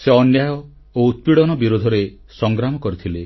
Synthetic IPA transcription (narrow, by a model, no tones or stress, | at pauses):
seɔnjajɔ | out̪̚piɽɔnɔbiɾod̪ʱɔɾe | sɔŋɡɾamɔkɔɾit̪ʰile